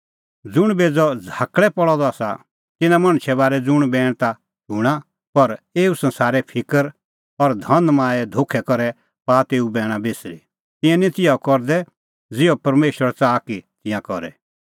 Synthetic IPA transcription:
d͡zʊɽ̃beːd͡zɔd͡zʱaːkɭɛpɔɭɔd̪ɔaːsa̰ | t̪ɪnãmɐ̃ɽ̃ʃʰɛβaːɾɛd͡zʊɽ̃bɛːɽ̃t̪a | d͡ʒuːɽ̃a | pɐɾeːusɐ̃nsaːɾɛpʰɪkəɾ | ɔɾd̪ʱɐ̃nmãːɛd̪ʱoːkʰɛkɔɾɛ | paːt̪eːubɛːɽ̃ãbeːsɾḭ | t̪ɪ̃jãnĩt̪ɪjakɔɾd̪ɛ | d͡zɪɔpɐɾmeːʃwəɾt͡saːkit̪ɪ̃jãkɔɾɛ̰

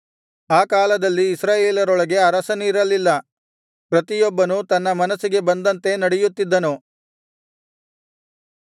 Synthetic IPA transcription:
aːkaːlɐd̪ɐlːiːsɾaːjeːlɐɾɔɭɐɡe̞ɐɾɐsɐniːɾɐlːilːɐ | pɾɐt̪ijɔbːɐnut̪ɐnːɐmɐnɐsːiɡe̞bɐnd̪ɐnt̪e̞nɐɽejut̪ːid̪ːɐnu

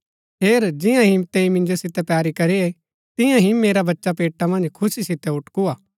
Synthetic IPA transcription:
ɦeːɾd͡ʒɪ̃jãɦimt̪eimɪ̃nd͡ʒosɪt̪ɛpjaːɾikɐɾiɛ | t̪ɪ̃jãɦimeːɾabɐtːʃapeːʈːamɐ̃nd͡ʒkʰʊsisɪt̪ɛʊʈkuaː

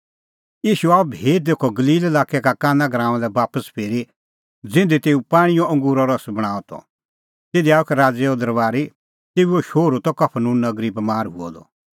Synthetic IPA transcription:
jiːʃuaːubʱeːt̪̚d̪eːkʰɔɡɐliːlelaːkɛkakaːnaɡɾãːãlɛbaːpəspʰeːɾi | d͡zɪ̃nd̪it̪eːupaːɽ̃ĩjɔ̃ʔɐ̃ŋɡuːɾɔɾɐsbɐɽ̃aːɔt̪ʰɔ̰ | t̪eːd̪iaːukɛɾaːd͡zɛɔd̪ɐɾbaːɾi | t̪eːuoʃoːɾut̪ɔkɐpʰnũːnːɐɡɾibmaːɾɦuɔ̰d̪ɔ̰

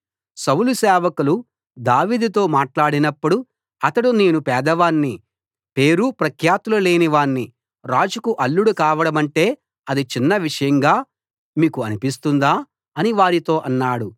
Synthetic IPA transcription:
sɐwlusɛːʋɐkulu | d̪aːʋiːd̪ut̪̬o̞ːmaːʈlaːɽinɐpːuɽu | ɐt̪ɐɽune̞ːnupɛːd̪ɐʋaːnːi | pe̞ːɾupɾɐkʰjaːt̪ulɐle̞ːniʋaːnːi | ɾaːd͡ʒukuʔɐlːuɽukaːʋɐɽɐmɐɳʈe̞ː | ɐd̪it͡ʃinːɐʋiʂɐjɐŋɡaː | miːkuɐnipis̬t̪und̪aː | ɐniʋaːɾit̪o̞ːʔɐnːaːɽu

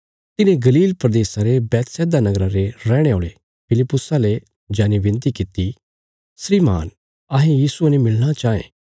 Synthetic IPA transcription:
t̪ɪnẽɡɐliːlpɾɐd̪eːsaɾebɛːt̪sɛːd̪anɐɡɾaɾeɾɛːɽ̃eoːɭe | pʰɪlɪpːʊsale | d͡ʒaːnibɪ̃nt̪ikɪt̪i | sɾiːma̰ːn | aɦẽjiːsuɐnemɪɭɽ̃at͡ʃaːḛ̃ː

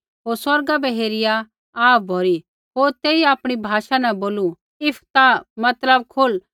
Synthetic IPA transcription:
ɦoːɾswɐɾɡabɛɦeːɾɪja | aːp̚ʰbʱoɾi | ɦoːɾt̪eːiaːpɽ̃ibʱaːʃanɛ̃boːlu | ɪpʰt̪amɐt̪ləb̚kʰʊl

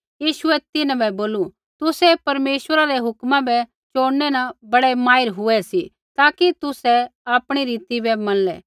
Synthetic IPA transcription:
jiːʃʊɛt̪ɪnãbɛboːlu | t̪ʊsɛpɐɾmeːʃʋəɾaɾɛɦʊkmãbɛ | t͡ʃoːɽnɛnãbɐɽɛmaːɪɾɦʊɛsi | t̪aːkit̪ʊsɛaːpɽ̃iɾiːt̪ibɛmɐ̃nlɛː

